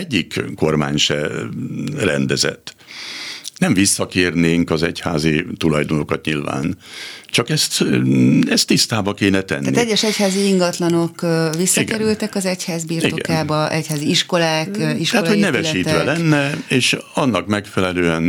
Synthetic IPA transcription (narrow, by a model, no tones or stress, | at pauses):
ɛɟːikko̞rma̰ːɲʃɛ̰ | rɛ̰nd̪ɛzɛ̰t̪ː | nɛɱvisːɒkeːrneːŋkɒzɛchaːzit̪ulɒjd̪ono̞kɒt̪ɲilva̰ːnt͡ʃɒkɛst̪ | ɛst̪ːist̪aːbɒkeːnɛt̪ɛ̰naːit̪ɛɟːɛʃɛchaːziiŋɡɒt̪lɒnokvʋisːɒiɡkɛɾylt̪ɛkɒzɛchaːzbiːrioɡɛ̰kaːbɒʔɛchaːziiʃkolaːkiʃhat̪hoɟnɛvɛʃiːt̪ʋɛlɛnːɛeːʃɒnːɒkmɛkfɛlɛløːɛn